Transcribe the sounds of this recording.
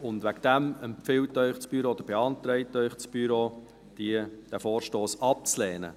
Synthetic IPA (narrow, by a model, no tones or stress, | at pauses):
ʊnd̪væɡd̥̪æmɛmpfɪwtːœʏχt͡sb̥yɾood̪əɾb̥eɑnt̪ɾɛɪtœʏχt͡sb̥yɾoː | d̥id̥æfoːɾʃtoːsɑp̚t͡slɛːnə̰